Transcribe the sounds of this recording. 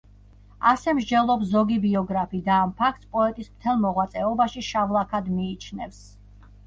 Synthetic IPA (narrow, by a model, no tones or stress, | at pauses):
asɛmʒd͡ʒɛlˠɔpszɔɡibiɔɡɾapʰid̪aːmpʰakʰt̪spʼɔɛt̪ʼismt̪ʰɛlˠmɔʁwat̪sʼɛɔbaʃiʃavlˠakʰad̪miːt͡ʃʰnɛfs